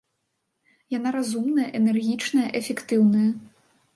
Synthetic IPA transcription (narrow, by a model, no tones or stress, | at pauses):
janaɾazumnɐjɐʔɛnɛrɣʲit͡ʂnɐjɐʔɛfʲɛkt̪ɨwnɐjɐ